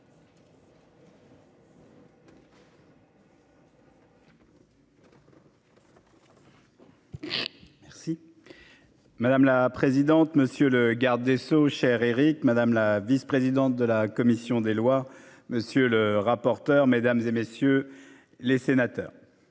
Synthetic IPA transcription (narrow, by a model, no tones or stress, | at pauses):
mɛʁsi | mad̪amlapχezid̪ɑ̃t̪məsjøləɡaʁd̪esoʃɛʁeʁikmad̪amlavispχezid̪ɑ̃t̪̚d̪əlakɔmisjɔ̃d̪elwa | məsjøləʁapɔʁt̪œʁmed̪amzemesjø | lesenat̪œ̰ːʁ